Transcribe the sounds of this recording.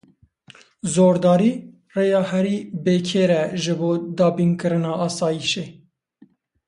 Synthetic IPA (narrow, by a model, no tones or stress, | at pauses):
zoːɾd̪ɑːɾiː | reːjɑːhɛɾiːbeːkʰeːɾɛʒɨboːd̪ɑːbiːnkɨɾɨnɑːʔɑːsɑːjiʃeː